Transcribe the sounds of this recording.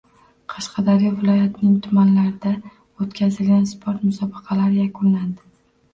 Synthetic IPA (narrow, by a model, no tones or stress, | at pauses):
qʰɑʃqʰɑd̪aɾivɪlˠɒjat̪nɪŋt̪ʰʊmanlaɾɪd̪a | ot̪kʲʰazɪlɡʲanspʰoɾt̪mʊsɒbɪqʰɑlaɾɪjakʰʊnland̪ɪ